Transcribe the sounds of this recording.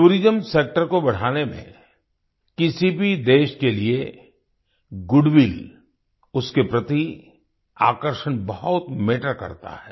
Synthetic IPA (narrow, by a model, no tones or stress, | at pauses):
uːɾid͡ʒəmseːk̚ʈəɾkobɐɽ̤aːnemḛ̃ | kɪsibʱid̪eːʃkelie | ɡʊɖʋil | ʊskepɾɐt̪i | a̰ːkəɾʃənbɐɦʊt̪meːʈəɾkɐ̰ɾt̪a̰ɦɛː